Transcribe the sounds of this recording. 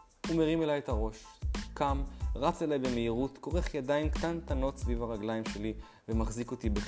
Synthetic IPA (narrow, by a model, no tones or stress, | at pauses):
umeʁime̞lajetaʁo̞ʃkamʁat͡selajbe̞meiʁutko̞ʁeχjadaimkt̪ant̪ano̞tsvivaʁaɡlaimʃe̞li | vemaχziko̞t̪ibe